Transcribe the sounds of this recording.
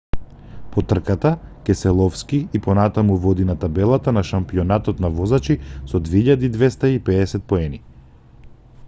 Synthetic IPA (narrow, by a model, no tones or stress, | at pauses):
pɔt̪r̩kat̪akɛsɛlˠɔfskiipɔnat̪amuvɔd̪inat̪abɛlˠat̪anaʃampiɔnat̪ɔt̪navɔzat͡ʃisɔd̪vɛiʎad̪iid̪vɛst̪aipɛɛsɛt̪̚pɔɛni